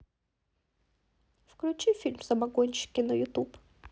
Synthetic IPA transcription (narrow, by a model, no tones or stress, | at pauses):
fklʲʊt͡ʃifʲilʲmz̥ɐmɐɡɔnʲʃɪ̥kʲɪnɐjʊt̪up